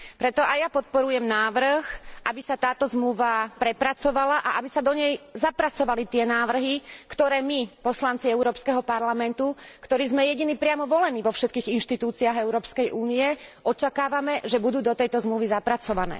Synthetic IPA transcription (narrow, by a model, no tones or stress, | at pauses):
pɾɛt̪ɔʔajapɔt̪̚pɔɾujɛmnaːʋr̩xʔabisat̪aːt̪ɔzmluʋapɾɛpɾat͡sɔʋalaʔaʔabisad̪ɔɲɛjzapɾat͡sɔʋalit̪ɪɛnaːʋr̩ɦikt̪ɔɾɛːmipɔslant͡siɛuɾɔːpskɛɦɔpaɾlamɛnt̪ukt̪ɔɾiːzmɛjɛɟiniːpɾɪamɔʋɔlɛniːʋɔfʃɛt̪̚kiːɣinʃt̪it̪uːt͡siaɣɛʊɾɔːpskɛjʔuːniɛʔɔt͡ʃakaːʋamɛʒɛbud̪uːd̪ɔt̪ɛjt̪ɔzmluʋizapɾat͡sɔʋanɛ̰ː